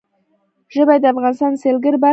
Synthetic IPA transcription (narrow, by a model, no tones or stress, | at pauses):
ʒɪbɑjd̪ɑvʁɑnst̪ɑnselɡʲɪɾbæ